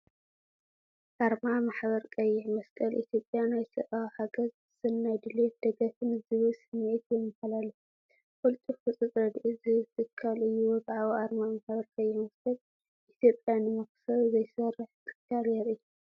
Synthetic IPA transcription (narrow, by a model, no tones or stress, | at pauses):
ʔaɾmamaħβɐɾkʼɐjːɛʕmɐskʼɐlʔḭt̪ʰjo̞pʼjanajsɐ̰ʔawhaɡɐz | sɨnːajd̪ɨlet̪̚d̪̥ɐɡɐt̪ɨnɨzɨβɨsɨmʕet̪jɛmːɐhalalːo | kʼult̪ʼifɨt͡sʼɨt͡sʼɾɐd̪ʔɨzɨt̪ʰɨkʰːalɨjːubʕaβoʔaɾmamaħbɐɾkʼɐjːɪmɐskʼɐl | ʔit̪ʰjo̞pʼjanɨmɐksɐɾzɐjsɐrːɨħt̪ʰʼɨ̥kʰaljeɾɨjːu